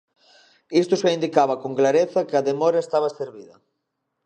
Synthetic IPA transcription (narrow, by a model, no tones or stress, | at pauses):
ist̪ʊseind̪ikaβɐkoŋklaɾeθɐkɪɐðemɔɾɐest̪aβ̞ɐseɾβiðɐ